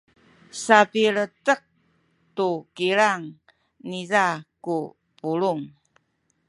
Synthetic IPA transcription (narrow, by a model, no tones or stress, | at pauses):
sapiɭətəq̚ | tukiɾaŋ | nizaku | puɭuŋ